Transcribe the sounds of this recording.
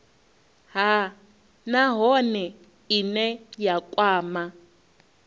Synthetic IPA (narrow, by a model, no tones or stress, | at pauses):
ɦa | naɦɔnɛ | inɛjakʼwaːma